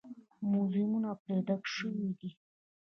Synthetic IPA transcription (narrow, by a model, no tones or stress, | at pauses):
muzimunapɾed̪akʃəwid̪i